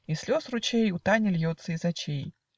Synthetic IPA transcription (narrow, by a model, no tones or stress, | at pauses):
isʲlʲɔsrut͡ɕejut̪anʲɪlʲjɔt̪sːɐizat͡ɕʲej